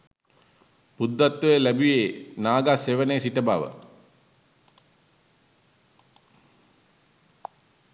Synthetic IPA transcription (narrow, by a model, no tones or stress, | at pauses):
pud̪ːat̪ʋeəlæbijeːnaːɡaseʋəneːsiʈəba̰ʋə̰